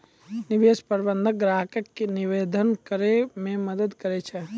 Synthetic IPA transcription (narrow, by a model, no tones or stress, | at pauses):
niʋeːspəɾbə̃nd̪ʱəɡɾaːɦəkəkːeniʋeːd̪ʱənkəɾemẽməd̪əd̪kəɾet͡ʃʰɛ